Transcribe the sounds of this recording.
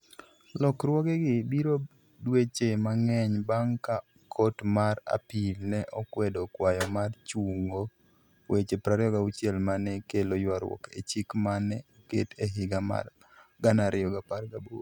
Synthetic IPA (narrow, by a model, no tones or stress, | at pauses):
lɔkrwɔɡɛɡɪbiɾo | dwet͡ʃemaŋɛɲbaŋka | kʰɔtmara̰pilnɛʔɔkwɛdokwajɔmart͡ʃuŋo | wet͡ʃepɾaɾɪɔɡaut͡ʃjɛlmanɛkelojwaɾwɔ̰kḛt͡ʃikmanɛ | keteɦɪɡama̰r | ɡanaɾɪɔɡaparɡabo